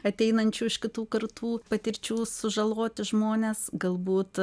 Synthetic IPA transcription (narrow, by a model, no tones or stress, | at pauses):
ɐt̪ʲɛɪnɐnʲt͡ʃʲuːɪʃkʲɪt̪uːkɐrt̪ʰuːpɐt̪ʲɪɾʲt͡ʃʲuːsʊʒɐlˠoːt̪ʲɪʒmoːnʲeːsɡɐlˠbuːt̪